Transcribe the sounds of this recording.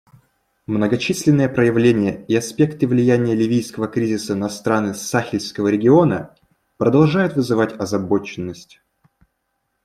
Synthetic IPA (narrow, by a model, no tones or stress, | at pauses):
mnəɡɐt͡ɕisʲlʲɪnːɨjəpɾəjɪvlʲenʲɪjəiɐspʲe̞kt̪ɨvlʲɪjænʲɪjəlʲɪvʲijskəvəkɾʲizʲɪsənɐst̪ɾanɨsaxʲɪlʲskəvəɾʲɪɡʲɪo̞nə | pɾəd̪ɐlˠʐajʊt̪vɨzɨvatʲɐzɐbo̞t͡ɕɪnːəsʲtʲ